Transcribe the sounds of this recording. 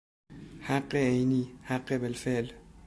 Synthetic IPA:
haqeejnihaqʼːebelfel

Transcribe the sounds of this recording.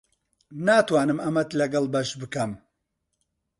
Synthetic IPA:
naːt̪waːnɨmɐmɐt̪lɐɡɐlˠbɐʃbɨkɐm

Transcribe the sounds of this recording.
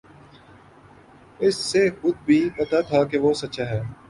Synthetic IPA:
ɪsːexʊd̪̚bʱiːpɐt̪aːt̪ʰakeʋoːsɐtːʃaːɦɛː

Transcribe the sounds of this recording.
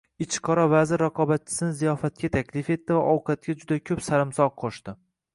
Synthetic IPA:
ɪt͡ʃʰqʰɒɾɒvazɪɾːaqʰɒbat̪̚t͡ʃʰɪ̥sɪnɪzijɒfat̪̚kʲat̪ʰakʲʰlɪfe̞t̪ːɪvaʔɒwqʰɑt̪̚ɡʲad͡ʒʊd̪akʲʰɵpsalɪmsɒʁqʰoʃt̪ɪ

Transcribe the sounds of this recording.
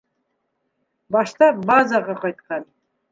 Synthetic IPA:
bɑʃt̪ɑbazaʁɑqɑjt̪̚qɑn

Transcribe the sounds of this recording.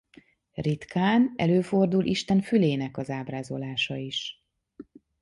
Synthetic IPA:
rit̪kʰaːnɛ̰løːfo̞rd̪ulʔiʃt̪ɛɱfyleːnɛkɒzaːbraːzo̞laːʃɒiʃ

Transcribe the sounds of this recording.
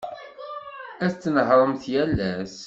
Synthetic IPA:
æθt͡sːnəɦɾˤəmθjælːæs

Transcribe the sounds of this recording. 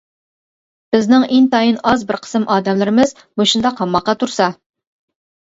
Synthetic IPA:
b̥ɪznɪŋeŋt̪ɑjinɑzbɪɾqʰə̥sɨmʔɑːd̪ɛmlɪɾɪmɪz | moʃund̪ɑqʰɑmːɑqːɑt̪ʰuɾsɑ

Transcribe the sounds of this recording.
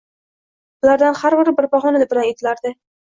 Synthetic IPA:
bʊlaɾd̪anhaɾbɪɾbɪɾbɒɦɒnanɪbɪlanet̪ʰɪlaɾd̪ɪ

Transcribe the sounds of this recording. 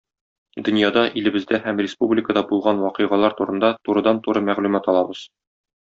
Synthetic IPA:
d̪ɵ̆njɑd̪ɑʔilɘ̆bɘ̆zd̪æhæmrʲɪspublʲɪkəd̪ɑbulˠʁɑnwɒqɤʁɑlˠɑɾt̪uɾɤ̆nd̪ɑt̪uɾɤ̆d̪ɑnt̪uɾɤmæʁlʉmæt̪ɒlˠɑbɤz̥

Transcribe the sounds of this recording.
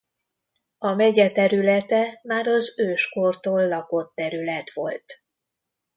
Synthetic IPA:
ɒmɛɟɛt̪ɛɾylɛt̪ɛmaːɾɒzøːʃkort̪oːlːɒko̞t̪ːɛɾylɛt̪ʋo̞̰lt̪

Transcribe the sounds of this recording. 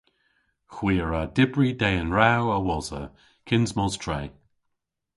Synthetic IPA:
xwiːəɹadɪbɹidɛːənɹawəwɔzə̰ | kʰɪnzmɔztʰɹeː

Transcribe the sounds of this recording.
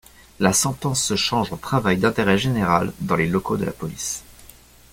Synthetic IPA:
lasɑ̃t̪ɑ̃sːəʃɑ̃ʒõt̪χavajd̪ɛ̃t̪eʁɛʒeneʁald̪ɑ̃lelɔkod̪əla̰pɔlis

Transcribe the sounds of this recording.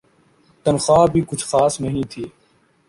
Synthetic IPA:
t̪ənxaːbʱiːkʊt͡ʃʰxaːsnəɦĩːt̪ʰiː

